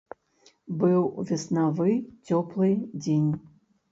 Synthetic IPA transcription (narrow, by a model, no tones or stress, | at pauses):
bɨwvʲɛsnavɨt͡sʲɔplˠɨd͡zʲenʲ